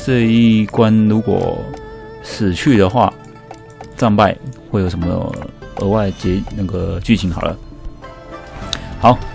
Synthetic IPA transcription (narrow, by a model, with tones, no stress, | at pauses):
ʈ͡ʂɤ˥˧i˥˩kwa˥nɻu˧˥kwɔ̰˨˩ | ʂɻ̩˨˩t͡ɕʰy˥˩d̪ə˨xwa̰˥˩ | t͡sɑ˥˧ŋpa˥˩ɪxwe˥˩ɪjo˩ʊʂə˧˦məə˧˥wa˥˩ɪt͡ɕjɛ˧˥na˥˩ɡə˩t͡ɕy˥˩t͡ɕʰi˧˥ŋxɑ˨˩ʊlʔə̰˦ | xɑ˨˧˦ʊ